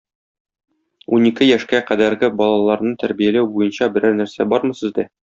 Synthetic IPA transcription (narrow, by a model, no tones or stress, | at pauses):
unikɘjæʃkæqæd̪æɾɡɘbɒlˠɑlˠɑɾnɤt̪æɾbijælæwbujɤnɕɑbɘ̆ɾæɾnæɾsæbɒɾmɤ̆sɤ̆zd̪æ